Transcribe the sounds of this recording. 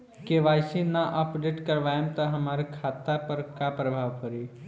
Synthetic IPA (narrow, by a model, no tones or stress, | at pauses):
keʋaːsenaʔəpɖeːʈkəɾʋaːemt̪ɐɦɐmaːɾekʰaːt̪apəɾkapɾəbʱaːʋpəɾiː